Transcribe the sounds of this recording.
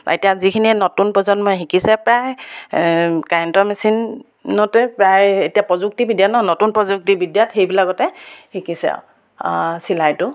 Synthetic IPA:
ḛtijazikʰininotunpɔzɔnmɔjxikisɛpɹaj | kantɔmɛsinː | ɔtɛpɹajetijapɹɔzuk̚tibidjatnɔnotunpɹɔzuk̚tibidjatxejbilaɡɔtɛhikisɛ̰ | silajtʊ

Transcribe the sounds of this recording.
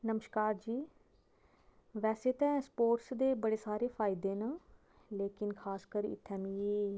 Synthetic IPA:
nəməʃkaːɾd͡ʒiː | ʋɛːseːt̪ɛ̃ːspoːʈsd̪eːbəɽeːsaːɾeːpʰaːɪd̪eːnaː | leːkɪnkʰaːskəɾɪ̰t̪ʰːɛ̃ːmĩː

